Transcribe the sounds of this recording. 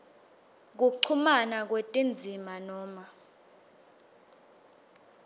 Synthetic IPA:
k̬uǀʰumanak̬wetʼind͡zʱimanɔːma

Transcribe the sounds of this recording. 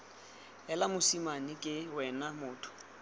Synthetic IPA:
ɛlamʊsimanɪkʼɪwɛnamʊːtʰʊ̥

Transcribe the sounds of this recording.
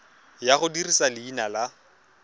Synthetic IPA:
jaχʊdirisalɪinala

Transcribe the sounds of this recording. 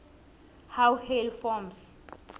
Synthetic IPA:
hawhelfɔms

